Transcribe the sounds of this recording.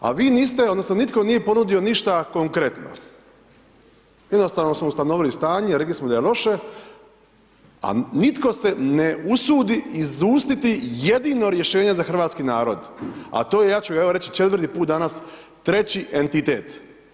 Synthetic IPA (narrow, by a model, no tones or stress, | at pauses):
a̰ʋiːniːst̪eod̪nosnonit̪ko̞nije̞po̞nud̪io̞niʃt̪ako̞ŋkɾe̞t̪no̰ | jed̪no̞st̪aːʋno̞smoust̪anoʋilist̪aːɲeɾeklismod̪ajelˠo̞ʃe̞ | a̰nit̪ko̞se̞neusuːd̪iizuːst̪it̪ije̞d̪ino̞ɾje̞ʃe̞ːɲezaxr̩ʋaːt̪skinaːɾo̞̰d̪a̰t̪oːjejaːt͡ɕuɡaeʋoɾe̞t͡ɕit͡ʃe̞t̪ʋr̩t̪iːpuːt̪̚d̪anas | t̪ɾe̞t͡ɕiʔent̪it̪ḛːt̪